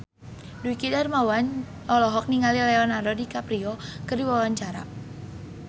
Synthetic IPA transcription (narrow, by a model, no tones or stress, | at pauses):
duikidarmawan | ɔlɔɦɔk̚niŋalilɛɔnaɾɔdikapɾiɔkərdiwawaɲt͡ʃaɾa̰